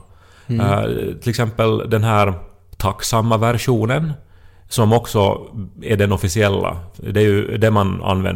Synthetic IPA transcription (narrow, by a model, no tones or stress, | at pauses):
t̪ʰɪlɛksɛmpəld̪ɛnɦæːɾ | t̪ʰɑkːsɑmːəʋæɾʂuːnənsɔmɔksɔɛɖɛnɔfɪsɪɛlːa̰d̪ɛɾjʉd̪ɛmɑnɑ̰nʋɛ̰n